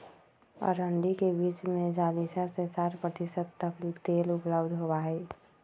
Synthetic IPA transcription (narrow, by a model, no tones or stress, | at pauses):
ɔ̰ːɾɦə̃ɳɖikebiːt͡ʃmẽd͡ʒaːlisasesaːɾpɾət̪ɪsəd̪t̪əklikt̪eːlʊpləbd̪ʱɦobaːɦɛː